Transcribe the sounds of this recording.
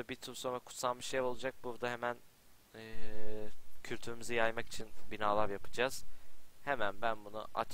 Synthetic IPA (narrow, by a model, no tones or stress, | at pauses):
abit̪ʰumsomakʰu̥t̪sanˠmɯʃejo̞lˠud͡ʒak̚buɾd̪aɦe̞mænː | cʰylʲt̪ʰyɾymizɛjajmaki̥t͡ʃʰinbinaːlˠaɾjapʰɯd͡ʒaz̥he̞mænbænbunṵʔa̰t͡ʃ